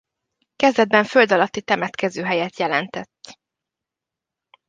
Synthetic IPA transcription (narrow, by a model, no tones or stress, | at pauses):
kɛzd̪ɛd̪̚bɛɱfø̞ld̪ɒlɒt̪ːit̪ɛmɛt̪kɛzøːɦɛjɛt̪jɛlɛnt̪ɛt̪ː